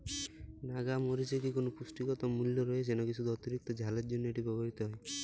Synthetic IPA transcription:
naɡamoɾid͡ʒekikonopusʈikɔt̪ɔmuljɔɾɔes̬enɔkit͡ʃʰud̪ʱɔt̪iɾik̚t̪ɔd͡ʒʱaleɾd͡ʒonːɔeʈibɔbɔɾit̪ɔɦɔe

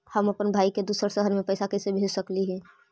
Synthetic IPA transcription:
həməpənbʱaːiked̪uːsəɾsəɦəɾmẽpəjsakɛːsebʱed͡ʒsəkliɦɛː

